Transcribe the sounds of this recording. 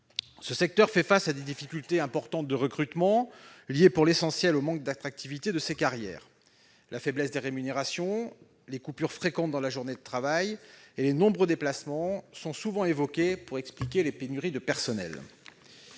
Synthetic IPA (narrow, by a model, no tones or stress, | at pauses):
səsɛk̚t̪œʁfɛfasad̪ed̪ifikʲylt̪eɛ̃pɔʁt̪ɑ̃t̪̚d̪əʁəkχyt̪mɑ̃ljepuʁlesɑ̃sjɛlomɑ̃k̚d̪at̪χak̚t̪ʰivit̪ed̪əsekaʁjɛ̰ːʁ | lʔafɛblɛsd̪eʁemyneʁasjɔ̃ | lekupyʁfχekɑ̃t̪̚d̪ɑ̃laʒuʁned̪ət̪χavajelenɔ̃bʁəd̪eplasmɑ̃sɔ̃suvɑ̃evɔkʲepuʁɛksplikʲelepenyʁid̪əpɛʁsɔnɛ̰l